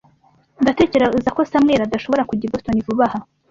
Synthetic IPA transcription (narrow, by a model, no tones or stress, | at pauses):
ndate̞ːce̞ɾezako̞samŋeːɾadaʃo̞βo̞ɾakuɟiɡostonivuβaha